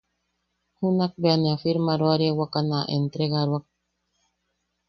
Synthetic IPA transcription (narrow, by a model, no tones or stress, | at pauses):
hunak̚beaneafiɾmaɾwaɾjewakanaʔḛnt̪ɾeɣaɾwak̚